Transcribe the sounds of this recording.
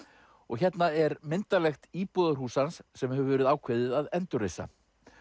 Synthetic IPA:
ɔɣçɛt̪naɛɾmɪnt̪alɛxt̪iːpɔðaɾhuːsansːɛmhɛvʏvɛːɾɪðaːwkʰveðɪðaðɛnt̪ʏrejsa̰

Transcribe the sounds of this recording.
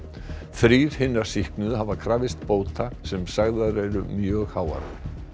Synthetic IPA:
θɾiːð̥hɪnːasihknʏðɦaːvakʰɾaːvɪst̪poːwt̪ʰasɛmsaɣðaðɾɛjɾʏmjœːɣhaːwa̰ɾa̰

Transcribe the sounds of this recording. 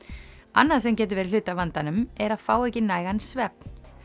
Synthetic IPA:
a̰nːaðsɛmcɛːt̪ʏɾvɛːɾɪ̥ʏt̪avant̪anʏmɛɾaðfaːwɛhcɪnaːjɣansvɛp̚n̥

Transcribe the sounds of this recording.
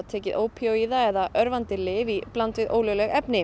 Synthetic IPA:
t̪ʰɛːcɪðʔoːwpʰioiðaɛðaʔœɾvant̪ɪlɪːviplant̪vɪðʔo̰ːwlœwlɛɣɛpnɪ

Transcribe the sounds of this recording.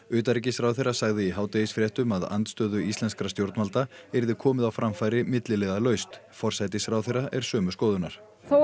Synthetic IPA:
ʏːt̪aɾicɪsfɾawθejɾasaɣðɪiɦaːwt̪ɛðisfɾjɛht̪ʏmaða̰nt̪st̪œːðʏisɛnskɾast̪jowɾt̪nmalt̪aɛɾðɪkʰɔːmɪðawfɾamfajɾɪmɪt̪lɪlɛɣðalœɥst̪ | fɔr̥sajt̪ɪsfɾaːwθerːaʔɛɾ̥sœːmʏskoːðʏnaɾ̥

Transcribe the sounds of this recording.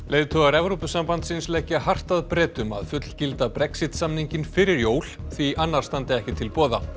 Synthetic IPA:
leːjðt̪ʰɔɣaɾɛvɾopʏsampant̪sɪnslɛcːahar̥t̪aðpɾɛːt̪ʏma̰ðfʏt̪l̥cɪlt̪apɾɛksɪt̪samniɲcɪnfɪɾɪɾjoːwl̥θviʔanːaɾ̥st̪ant̪ɪɛhcɪt̪ʰɪlpɔːða

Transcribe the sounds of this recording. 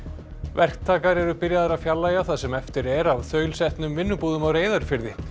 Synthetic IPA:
vɛr̥k̚t̪ʰaːkaɾɛɾʏpɪɾjaðaɾaðfjalːaːjaθaðsɛmɛft̪ɪɾɛɾavθœːɥlsɛht̪nʏmvɪnːʏpuːðʏmawɾeːjðaɾʏfɪɾðɪ

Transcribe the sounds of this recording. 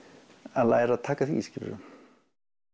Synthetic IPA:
aðla̰ːjɾaðt̪ʰaːkaθiiscɪl̰ɾʏ̰m

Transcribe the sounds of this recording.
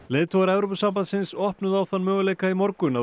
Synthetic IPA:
leːt̪ʰowɣaɾɛvɾowpʏsampant̪sɪnsɔhpnʏðawθanmœːɣʏleːjkaimɔɾkʏna

